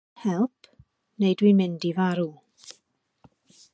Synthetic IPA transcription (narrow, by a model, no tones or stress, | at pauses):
hɛlˠpʰ | nejdwimɪndivaɾu